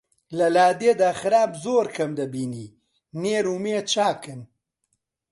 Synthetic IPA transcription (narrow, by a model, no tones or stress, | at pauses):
lalaːd̪ed̪aaxɾaːbzoːɾkʰɐmd̪ɐbini | neɾumeːt͡ʃaːkən